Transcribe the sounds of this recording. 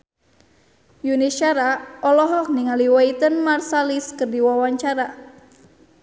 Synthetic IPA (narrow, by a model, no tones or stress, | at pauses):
juniʃaɾaɔlɔɦɔk̚niŋaliwait̪ənmarsaliskərdiwawaɲt͡ʃaɾa